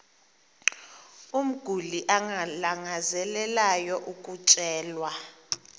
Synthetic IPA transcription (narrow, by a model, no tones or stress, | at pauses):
um̩ɡ̥ʱuliʔaŋalaŋazɛlɛlajɔʔukʼut͡ʃʼɛːlwa